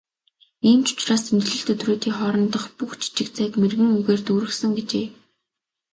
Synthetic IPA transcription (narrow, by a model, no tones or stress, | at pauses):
iːmt͡ɕʊ̥t͡ɕraːsʰɵnɮɵ̆ɬt̪ɵt̪roːt̪iːŋχɔɾɞ̆nt̪ə̆χpuxt͡ɕʰi̥t͡ɕɪ̆kt͡sʰæːkmerɣɘ̆ŋuɣeːrt̪uːɾɘ̆xsə̆ŋɡet͡ɕeː